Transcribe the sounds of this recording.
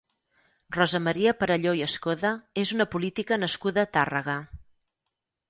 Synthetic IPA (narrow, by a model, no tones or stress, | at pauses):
rɔzəməɾiəpəɾəʎojəskoðəezunəpulit̪ikənəskuðət̪arəɣə